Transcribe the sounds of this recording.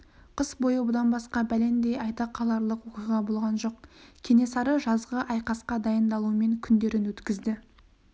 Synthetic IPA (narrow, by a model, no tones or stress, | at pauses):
qʰəsbo̞jəbʊd̪ɑnbɑsqɑbæle̞nd̪e̞jɑjt̪ɑqʰːɑlˠɑɾlˠəqwoqijʁɑbo̞lˠʁɑnʒo̞qkʲʰe̞ne̞sɑɾəʒɑzʁəʔɑjqɑsqɑd̪ɑjənd̪ɑlˠuəme̞ŋkʲʰʏnd̪e̞ɾɪnwɵt̪kʲɪzd̪ɪ